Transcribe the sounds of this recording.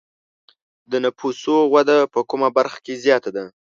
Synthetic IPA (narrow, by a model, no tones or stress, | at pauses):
d̪ənapʰusoɣwad̪apəkʊmabaɾxḁkezjɑt̪ad̪a